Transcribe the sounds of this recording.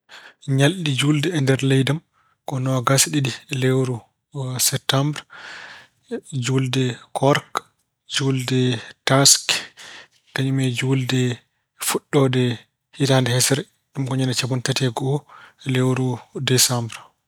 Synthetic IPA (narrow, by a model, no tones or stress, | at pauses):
ɲalɗid͡ʒuldɛɛndɛɾlɛjdam | kɔnɔɡasɗidilewɾu | sɛp̚tːambɾ | d͡ʒuldɛkʰɔɾk | d͡ʒuldɛtask | kaɲumɛd͡ʒuldɛ | fuɗːɔdɛ | hitandɛhɛsɛɾ | ɗumkɔɲɛnɛt͡ʃabuntatɛɡɔlewɾudɛsambɾ